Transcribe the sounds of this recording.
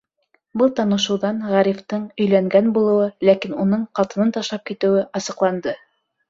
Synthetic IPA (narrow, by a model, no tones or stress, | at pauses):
bɤlˠt̪ɑnɤ̆ʃɤ̆wðɑnʁæɾift̪ɤɴɵ̆jlæŋɡænbulˠɤ̆wɤlækinunɤɴqɑt̪ɤ̆nɤnt̪ɑʃlˠɑp̚kit̪ɘ̆wɘʔɑsɤ̆qlˠɑnd̪ɤ